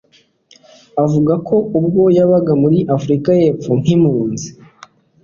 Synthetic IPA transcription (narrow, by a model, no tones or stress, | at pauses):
avuɡako̞ub̚ɡo̞jaβaɡamuɾiʔafɾikaje̞ːpp͡fuŋ̥imuːnzi̥